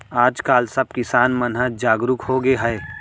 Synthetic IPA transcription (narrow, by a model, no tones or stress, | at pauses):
aːd͡ʒkaːlsɐb̚kɪsaːnmɐnɦəd͡ʒaːɡɾʊkhoːɡeɦɛe